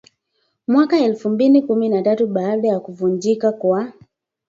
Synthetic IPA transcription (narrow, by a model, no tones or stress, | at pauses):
mwakaɛlfumbilikuminatatuɓaːɗajakuvund͡ʒikakwa